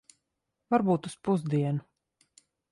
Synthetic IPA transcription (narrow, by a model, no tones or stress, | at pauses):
vaɾbuːt̪uspuzd̪iɛnu